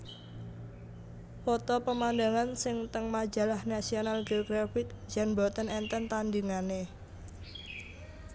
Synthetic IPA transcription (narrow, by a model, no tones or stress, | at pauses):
fɔt̪ɔpəmandaŋansɪŋt̪əŋmad͡ʒa̤lahnasionalɡəlɡɾafɪt̪̚d͡ʒanbɔt̪ənɛnt̪ənt̪andiŋane